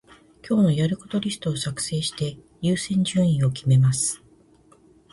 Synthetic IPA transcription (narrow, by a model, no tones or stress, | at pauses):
kʲo̞ːno̞jaɾɯ̟ko̞t̪o̞ɾʲisɨ̥t̪oːsakɯ̟̥se̞ːɕi̥t̪e̞ | jɨːsẽ̞ɲ̟d͡ʑɨ̃ɰ̃ĩɰ̃o̞kʲime̞masɨ̥